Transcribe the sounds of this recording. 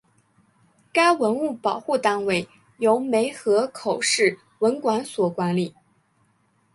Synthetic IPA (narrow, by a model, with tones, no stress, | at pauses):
ka˥ɪwə˧˥nu˥˩pɑ˨˩ʊxu˥˩t̪a˥ŋwe˥˩ɪ | jo˧˥ʊme˧˥ɪxɤ˧˥kʰo˨˩ʊʂɻ̩˥˩ | wə˧˥nkwa˧˥nswɔ˨˩kwa˧˥nli˨˩˦